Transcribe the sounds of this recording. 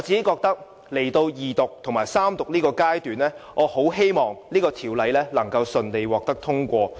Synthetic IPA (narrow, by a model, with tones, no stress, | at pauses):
ɔ˨˧t͡si˨˧ke˨˦˥kɔː˧k̚t̪ɐ˥k̚ | le˨˩jt̪o˧wjiː˨t̪ʊ˨k̚t̪ʰʊ˨˩ŋmaː˨˩jsaː˥mt̪ʊ˨k̚liː˥kɔː˧kaː˥jt̪yː˨˩nlɛː˥ŋʔɔː˨˧ho˨˥wɦe˥jmɔː˨ŋliː˥kɔː˧t̪ʰiː˨˩wlɐ˨˧jlɛː˥lɐ˨˩ŋkɐ˧wsɵ˨˧nle˨˧jwɔː˨k̚t̪ɐ˥k̚t̪ʰʊ˥ŋkʷɔː˧